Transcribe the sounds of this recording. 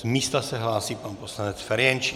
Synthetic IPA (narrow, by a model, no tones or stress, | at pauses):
zmiːst̪asɛɦlaːsiːpanposlanɛt͡sfɛɾjɛnt͡ʃi